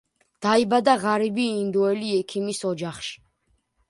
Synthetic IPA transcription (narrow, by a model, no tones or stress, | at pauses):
d̪̥aibad̪aʁaɾibiːnd̪ɔɛliɛkʰimisɔd͡ʒaχʃi̥